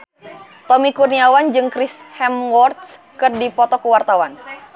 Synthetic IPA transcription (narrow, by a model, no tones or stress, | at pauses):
t̪ɔmikurniawand͡ʒɨŋkɾishɛmwɔrt̪̚s | kɨrdipɔt̪ɔkəwart̪awan